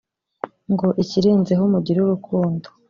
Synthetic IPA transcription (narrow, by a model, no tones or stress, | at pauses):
ŋɡo̞ʔiciɾeːnze̞ɦumuɟiɾuɾukʰuːndo